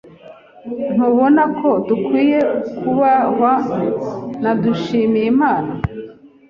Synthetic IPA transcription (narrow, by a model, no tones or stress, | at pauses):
n̥huβo̞nakʰo̞dukwiːje̞kʰuβawa | naduʃiːmijimaːna